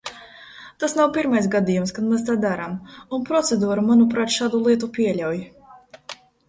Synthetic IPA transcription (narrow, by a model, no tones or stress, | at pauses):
t̪asnawpiɾmajs̬ɡad̪ijumskad̪mɛst̪aːd̪aɾamunpɾɔt̪sed̪uɔɾumanupɾaːt̪ʃaːd̪ulˠiɛt̪upʲiɛʎʲawj